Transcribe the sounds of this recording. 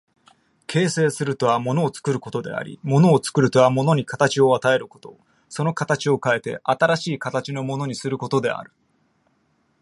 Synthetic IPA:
kʰe̞ːse̞ːsɨɾɯ̟t̪o̞βamo̞no̞ːt͡sɨ̥kɯ̟ɾɯ̟ko̞t̪o̞d̪e̞̰a̰ɾʲḭmo̞no̞ːt͡sɨ̥kɯ̟ɾɯ̟t̪o̞βamo̞no̞ɲ̟ikat̪at͡ɕio̞at̪ae̞ɾɯ̟ko̞̥t̪o̞ | so̞no̞kat̪at͡ɕio̞kae̞t̪e̞̰ʔat̪aɾaɕiːkat̪at͡ɕino̞mo̞no̞ɲ̟isɨɾɯ̟ko̞t̪o̞d̪e̞̰a̰ɾɯ̟

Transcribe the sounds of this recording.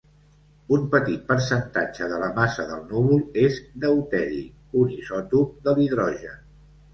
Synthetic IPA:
umpət̪it̪̚pəɾsənt̪ad͡ʒəðələmasəðəlˠnuβulˠezd̪əwt̪ɛɾḭ | unisɔt̪uk̚d̪əliðɾɔʒə

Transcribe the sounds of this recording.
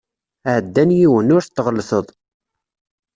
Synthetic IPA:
æʕəd̪ːænjiwənːʊɾθt̪ːʁəlːsəðˤ

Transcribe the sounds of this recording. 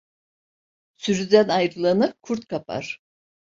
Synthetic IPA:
syɾyd̪ænajɾɯlˠanɯkʰuɾt̪̚kʰapʰa̰ɾ̥

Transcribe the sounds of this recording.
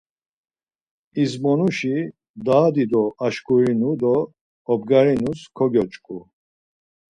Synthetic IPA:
izmɔnuʃi | d̪aːd̪id̪ɔaʃkʼuɾinud̪ɔː | bɡaɾinuskʰɔɡʲɔt͡ʃʼkʼu

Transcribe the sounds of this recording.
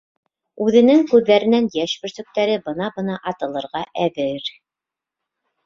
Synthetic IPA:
ʉðɘ̆nɘŋkʉðːæɾɘ̆nænjæʃbɘ̆ɾsɵ̆k̚t̪æɾɘbɤ̆nɑbɤ̆nɑʔɑt̪ɤ̆lˠɤ̆ɾʁɑʔæðɘɾ

